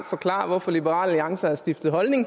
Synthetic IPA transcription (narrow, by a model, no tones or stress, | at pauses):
fɒ̽kʰlɑ̰̈ːɐʋɒfɒ̽libəʁɑ̰̈ːlliɑ̈ŋsɐæɐsd̥ifd̥ð̞̩ˠɦɒ̽lne̝ŋ